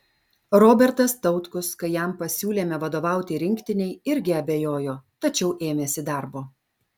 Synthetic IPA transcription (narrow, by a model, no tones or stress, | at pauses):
ɾoːbʲɛɾt̪ɐst̪ɐʊt̪kʊskɐɪjæˑmpɐsʲuːlʲeːmʲɛʋɐd̪oːʋɑˑʊt̪ʲɪɾʲɪŋʲkt̪ʲɪnʲɛɪɪɾʲɡʲɪɐbʲeːjoːjoːt̪ɐt͡ʃʲɛʊʔeːmʲeːsʲɪd̪ɑˑɾboː